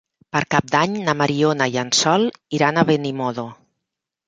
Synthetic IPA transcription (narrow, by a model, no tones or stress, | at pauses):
pəɾkap̚d̪aɲnamaɾionajansɔlˠiɾanaβenimoðo